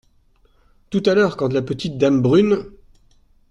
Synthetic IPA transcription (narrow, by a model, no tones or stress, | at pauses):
t̪ut̪alœʁkɑ̃t̪əlapət̪it̪̚d̪ambʁyn